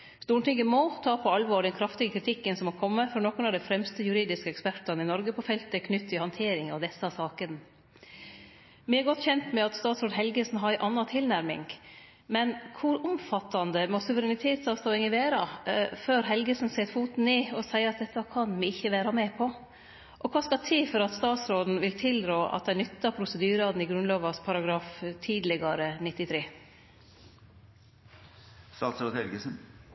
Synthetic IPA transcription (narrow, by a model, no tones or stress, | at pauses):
st̪uːɳʈɪŋɡəmɔt̪ʰɑːpʰɔɑlʋɔːɖ̪ɛnkʰɾɑft̪ɪɡəkʰɾɪt̪ʰɪkːənsɔmɔkʰɔmːəfɔɾnɔkːʊnɑʋd̪ɛfɾɛmst̪əjʉɾiːd̪ɪskəɛkspæʈɑnəɪnɔɾɡəpʰɔfɛlt̪əkʰnʏt̪ʰːɪlhɑnt̪ʰeːɾɪŋɑʋd̪ɛsɑsɑːkən | mɪɛɾɡɔt̪ːçɛnt̪mɛɑt̪st̪ɑːt̪soːɖd̪ɦɛlɡəsnɦɑæɪʔɑnːɑt̪ʰɪlnæɾmɪ̰ŋ | mɛnkʰʊɾʊmfɑt̪ːɑnd̪əmɔsʉʋəɾɛnɪt̪ʰeːt̪sɑːʋst̪oːɪŋəʋæːɾɑføːɾɦɛlɡəsn̩seːtfuːt̪n̩ɪɔsæɪəɾɑt̪̚d̪ɛt̪ːɑkʰɑnʋɪɪçːəʋeːɾɑmɛːpʰɔ | ʔɔkʰɑːskɑt̪ʰiːfɔɾɑt̪st̪ɑːt̪sɾoːd̪n̩ʋɪlt̪ʰɪld̪ɾoːʔɑ̰t̪̚d̪ænʏt̪ːɑpʰɾʊsəd̪yːɾɑːd̪n̩ɪɡɾʉnloːʋɑspʰɑɾɑɡɾɑːft̪ʰiːd̪lɪɡɑɾənɪt̪ːɪt̪ʰɾeː | st̪ɑːt̪sɾoːd̪hɛlɡəsən